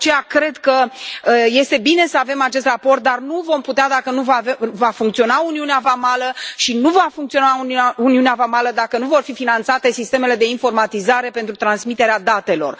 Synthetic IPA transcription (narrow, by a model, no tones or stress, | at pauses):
t͡ʃejakɾe̞d̪kə | je̞st̪e̞bine̞səave̞mat͡ʃe̞s̬t̪rapo̞rt̪̚d̪arnuvo̞mput̪ead̪akənuvaevafuŋkt̪sio̞nauniuneavamaləʃinuvafuŋkt̪sio̞nauauniuneavamaləd̪akənuvo̞rfifinant̪sat̪e̞sist̪e̞me̞le̞d̪e̞info̞rmat̪izaɾe̞pent̪ɾut̪ɾansmit̪e̞ɾead̪at̪e̞lo̞̰r